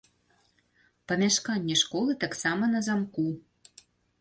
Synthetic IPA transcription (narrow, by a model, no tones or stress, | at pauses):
pɑmʲæʃkɑnʲnːʲeʃkolɤ̆t̪ə̆ksɑmɤ̆nɤzɑmku